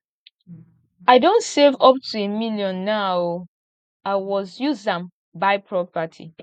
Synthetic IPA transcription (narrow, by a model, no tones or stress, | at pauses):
aɪdõntsevɔp̚tʰuemiljɔ̃nːa | aɪwɔzjuzdãm | baɪpʰɹɔpatʰḭ